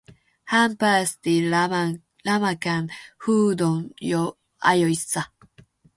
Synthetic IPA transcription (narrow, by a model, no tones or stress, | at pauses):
hampast̪i | lamakanhud̪oŋjo | a̰jojsa